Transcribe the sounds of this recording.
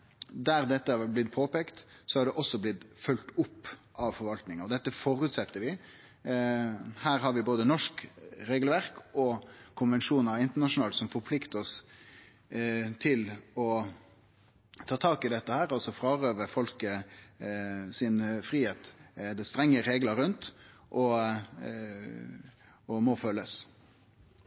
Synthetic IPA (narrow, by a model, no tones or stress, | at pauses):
d̪æɾd̪ɛt̪ːəæblɪt̪pʰoːpeːkt̪sɔɑɖɛʔɔsːɔblɪt̪fœlt̪ʊpːʔɑʋfɔɾʋɑlt̪nɪŋɑɔd̪ɛt̪ːəfɔɾʉːt̪sɛt̪ːəɾʋɪ | hæːɾɦɑɾʋɪboːd̪ənɔʂkɾeːɡəlʋæɾkɔkʰʊnʋɛnʂuːnəɾɑʋɪnt̪əɳɑʂʊnɑːlsɔmfɔɾpʰlɪkt̪əɔs | t̪ʰɪlɔ | t̪ʰɑːt̪ʰɑːkɪd̪ɛt̪ːəhæːɾɑlsɔfɾɑːɾøːʋəfɔlkə | sɪnfɾiːheːt̪d̪ɛst̪ɾɛŋːəɾeːɡlɑɾʉnt̪ʔɔ | ɔmɔføːlːəs